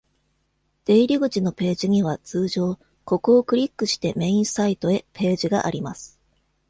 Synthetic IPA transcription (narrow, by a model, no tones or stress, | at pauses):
d̪̥e̞iɾʲiɡɯ̟t͡ɕino̞pe̞ːʑiɲ̟iβ̞at͡sɨːʑo̞ː | ko̞ko̞ːkɯ̟ɾʲikːɯ̟ɕi̥t̪e̞mẽ̞ĩɰ̃sait̪o̞e̞pe̞ːʑiɡa̰ʔa̰ɾʲimasɨ̥